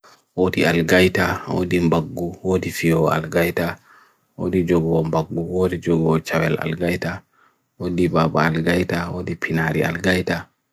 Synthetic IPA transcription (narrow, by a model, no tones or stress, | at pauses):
wodiʔalɡajtawo̰dimbaɡːuwodifiɔa̰lɡajta | wo̰did͡ʒɔɡɔwɔmbaɡːuwodid͡ʒɔɡɔɔt͡ʃawɛla̰lɡajta | wodibaːbaalɡajtawoːdipʰinaɾḭa̰lɡajta